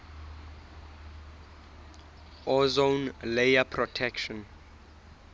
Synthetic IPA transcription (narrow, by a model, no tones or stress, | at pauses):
ʔɔzõnlejapʰrɔtʰɛkʃɔ̃n